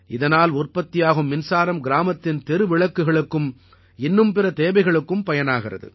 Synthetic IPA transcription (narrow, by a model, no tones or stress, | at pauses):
ʔɪðɐnaːlʊrpɐt̪ːɪjaːɣɯmːɪnsaːɾɐmɡɪɾaːmɐt̪ːɪnt̪ɛɾɯʋɪɭɐkːɯɣɐɭɯkːɯm | ɪnːɯmpɪrɐt̪eːʋɐɪɣɐɭɯkːɯmpɐjɐnaːɣɪrɐ̰ðɯ̰